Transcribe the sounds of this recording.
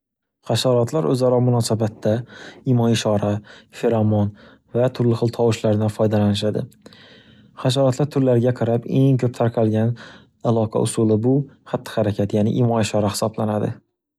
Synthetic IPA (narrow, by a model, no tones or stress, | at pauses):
χaʃaɾɒt̪laɾɵzaɾɒmʊnɒsabat̪ʰːaɪmɒnɪʃɒɾafeɾɒmɒn | vat̪ʰʊɾlɪχɨlˠt̪ʰɒwɪʃlaɾd̪anfɒjd̪alanɪʃ̬ad̪ɪ̰ | χaʃ̬aɾɒt̪laɾt̪ʰʊɾlaɾɪɡʲaqʰɑɾape̞ŋkʲʰɵp̚t̪ʰaɾqʰɑlɡʲan | alˠɒqʰɑ̰ʔʊsulˠɪbʊhat̪ʰːɪ̥haɾakʲʰat̪janɪ̰ʔɪmɒɪʃɒɾahɪ̥sɒblanad̪ɪ̰